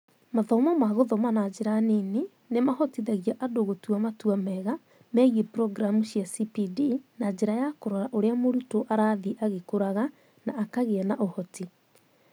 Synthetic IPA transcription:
maðɔmamaɣoðɔmanad͡ʑeɾaneni | nemahɔtiðɛɣiaʔadoɣotuamatuamɛɣa | mɛɣepɾɔɡɾamuɕiasipidinad͡ʑeɾajakoɾɔɾaʔoɾeamoɾutoʔaɾaðiʔaɣekoɾaɣa | naːkaɣeɛnaʔohɔti

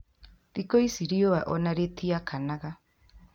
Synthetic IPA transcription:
ðikoisiɾioaʔɔnaɾet̪iakʰanaɣa

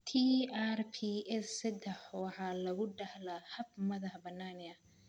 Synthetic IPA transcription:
t̪ʰiarpʰiɛssɐd̪ɛħɔɑħɑlɐɣʊɖɐhlɐhɐbmɐðɐħbɐnːaːnɪɐ

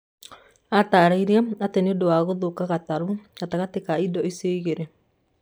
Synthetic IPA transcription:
ataːɾaiɾaateneodowaɣoðokaɣataɾu̥ataɣatekaidɔeseiɣeɾe

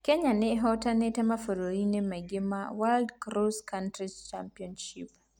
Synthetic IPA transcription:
kɛɲanɛɦɔtanɛtamafoɾoɾinɛmaɡɪma̰waldkɾoskantɾit͡ʃampiɔnʃḭp

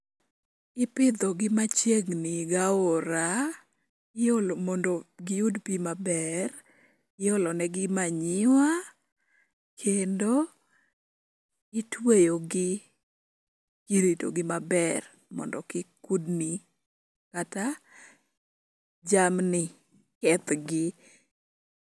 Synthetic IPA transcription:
ɪpɪd̪ɔɡɪmat͡ʃjeŋnɪɡaoɾa | ɪolmɔndoɡɪudpimabɛr | ɪɔlɔnɛɡɪmaɲɪwa | kʰendo | ɪtwejoɡɪ | kiɾito̰ɡɪmabɛr | mɔ̰ndɔkɪkudni | kata | d͡ʒamnɪ | kɛt̪ɡɪ

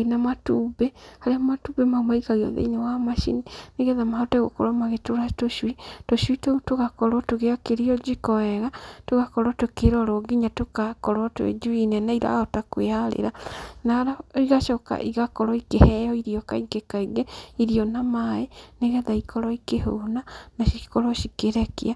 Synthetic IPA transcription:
enamatuːbɛhaɾeamatuːbɛmaumaikaɣeɔ̰ðḛinewamaʃḭnineɣɛðamahɔtaɣo̰kɔ̰ɾɔmaɣetoɾatoʃwitoʃwitoutoɣakɔɾɔtoɣeakeɾiɔd͡ʒikɔɛɣatoɣakɔɾɔtokeɾɔɾoɡiɲatokakɔɾwɔtwḛd͡ʒuinɛnaiɾa̰hɔtakweaɾḛɾanaɾaiɣaʃɔka̰ʔiɣakɔɾɔikehɛjɔiɾiɔkaiɡekaiɡɛiɾiɔnamaeneɣɛðaikɔɾɔikehonanaʃikɔɾɔʃikeɾɛkḭa

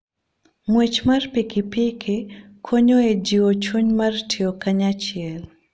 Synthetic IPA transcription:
ŋwet͡ʃmarpikɪpikʰɪ | kʰoɲoed͡ʒiwot͡ʃuɲmartʰiokaɲat͡ʃɪɛl

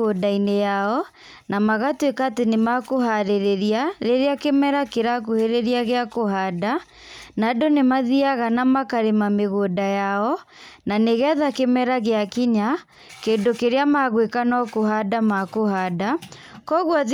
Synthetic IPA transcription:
odainejaɔ | namaɣatwekaːtenemakoɦaɾeɾeɾiaɾeɾeakemɛɾakeɾakoheɾeɾiaɣeakoɦada | nadonemaðiaɣanamakaɾemameɣodajaɔ | naneɣɛðakemɛɾaɣeakiɲa | keːndokeɾeamaɣwekanɔkoɦadamakohada | kɔɣwað

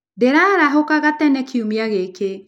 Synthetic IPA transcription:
deɾaɾaɦokaɣatɛnɛkʰiumiaɣeke

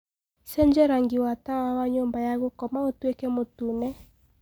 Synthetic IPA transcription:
sɛɲd͡ʒɛɾaŋɡiwatawawaɲombajaɣokɔmaotwekɛmotunɛ

